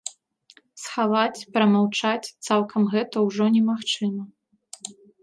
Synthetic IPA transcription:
sxavat͡sʲpɾɐmawt͡ʂat͡sʲt̪sawkʰɐmɣɛt̪ɐwʐɔnʲɛmaxt͡ʂɨmɐ

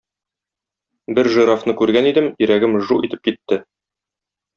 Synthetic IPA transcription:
bɘɾʒɤ̆ɾɑfnɤkʉɾɡænid̪ɘmjɵ̆ɾæɡɘmʒuʔit̪ɘ̥p̚kit̪ːɘ

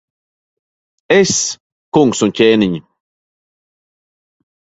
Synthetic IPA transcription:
es | kuŋksuncʲeːniɲi

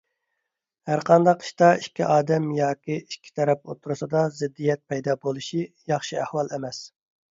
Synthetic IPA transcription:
hæɾqʰɑnd̪ɑqʰi̥ʃt̪ɑiʃkʲʰiʔɑːd̪ɛmjɑːkʲʰiiʃkʲʰi̥t̪ʰɛɾɛp̚ot̪ʰːuɾɨsɨd̪ɑzɪd̪ːijɛt̪̚pʰɛjd̪ɑbolˠɨʃijɑχʃiæhwɑlˠemɛs

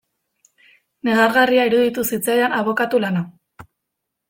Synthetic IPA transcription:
ne̞ɣaɾɣariaiɾuðit̪usit͡saeanaβo̞kat̪ulana

